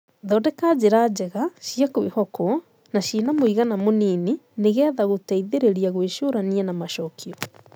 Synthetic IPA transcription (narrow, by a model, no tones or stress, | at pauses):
ðɔːdɛkaːd͡ʑeɾad͡ʑɛɣaɕiakoehɔkɔ | naɕiːnamoiɣanamoniːneneɣɛðaɣotaiðeɾeɾiaɣweʃoɾaniɛnamaʃɔkʰiɔ